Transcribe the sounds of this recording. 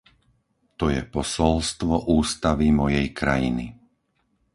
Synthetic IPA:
t̪ɔjɛpɔsɔlst̪ʋɔʔuːst̪aʋimɔjɛjkɾajini

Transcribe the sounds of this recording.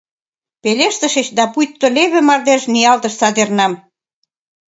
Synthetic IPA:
peleʃt̪ə̆ʃĕt͡ɕd̪ɑpujt̪ːoleβĕmɑrd̪eʃniɑlt̪ə̆ʃsɑd̪ernɑm

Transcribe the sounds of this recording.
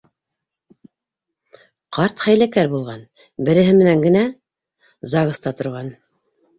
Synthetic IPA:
qʰɑɾt̪χæjlækæɾbulˠʁɑn | bɘ̆ɾɘ̆ɦɘmɘ̆næŋɡɘ̆næ | zɑʁɤ̆st̪ɑt̪ŏɾʁɑn

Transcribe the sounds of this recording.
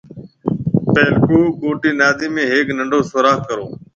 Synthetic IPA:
peːlkoːkoːʈiːnaːd̪iːmẽːɦeːknəɳɖoːsʊɾaːkkəɾoː

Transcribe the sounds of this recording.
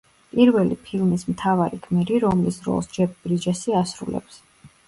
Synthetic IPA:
pʼiɾvɛlipʰilˠmismt̪ʰavaɾikʰmɛɾiɾɔmlisɾɔ̰lˠsd͡ʒɛp̚ʰbɾid͡ʒasiasɾṵlɛ̰ps

